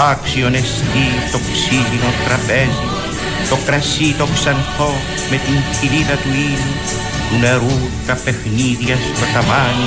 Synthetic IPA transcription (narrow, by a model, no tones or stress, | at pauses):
aksionest̪it̪o̞ksilinot̪ɾɐpezi | t̪o̞kɾɐsit̪o̞ksɐnθo | me̞t̪iŋçiɾiðɐt̪uiu | t̪une̞ɾu | t̪ɐpe̞xniðjɐst̪ɐt̪ɐvani